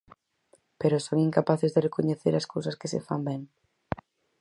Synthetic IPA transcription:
peɾʊsoŋiŋkapaθezðerekoɲeθeɾaskowsɐskɪsḛfa̰mbɛŋ

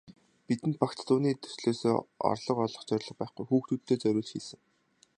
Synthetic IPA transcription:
pit̪ɘ̆nt̪̚pakt͡ɕt̪ʰuːniːt̪ʰɵ̥sɮeːso̰ːɔ̰rɮɞ̆qɔɮɞ̆χt͡ɕœɾʲɮə̆q̚pæːχɡujxuːxt̪ʰut̪̚t̪ʰːeːt͡sœɾʲʊːɮt͡ɕxiːsɘ̆ŋ

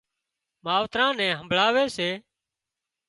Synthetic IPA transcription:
maːʋt̪ɾãːnɛ̃ːɦəmbʱlaːʋeːseː

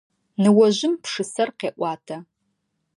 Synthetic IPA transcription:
nɨwɐʑɪmpʂɨsɐrqeːʔʷɑːtʰɐ

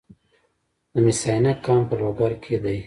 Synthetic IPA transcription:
d̪əmisɑnakɑmpəloɡaɾkʰed̪aj

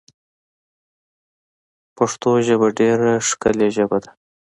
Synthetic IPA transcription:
paʂt̪oʒəbaɖeɾaʂkəleʒəbad̪a

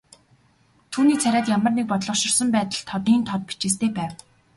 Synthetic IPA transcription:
t̪ʰuːniːt͡sʰæɾʲaːt̪jamə̆rnek̚pɔt̪ɮɞ̆χʃɪ̆rsə̆mpæːt̪ə̆ɮt̪ʰɔt̪iːnt̪ʰɔt̪̚pi̥t͡ɕeːs̬t̪ʰeːpæːw

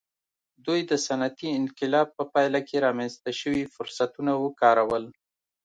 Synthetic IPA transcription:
d̪ujd̪əsanat̪iɪnqɪlɑb̚pəpɑjlakeɾɑmanzt̪aʃəwifʊɾsat̪unawəkɑɾawəl

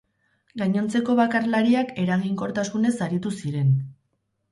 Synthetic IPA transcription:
ɡaɲo̞nt͡se̞ko̞βakarlaɾiake̞ɾaɣ̞iŋko̞ɾt̪asune̞saɾit̪usiɾe̞n

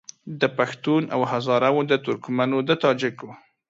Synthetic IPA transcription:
d̪əpaxt̪una̰whazɑɾawod̪ət̪ʊɾkmanod̪ət̪ɑd͡ʒɪko

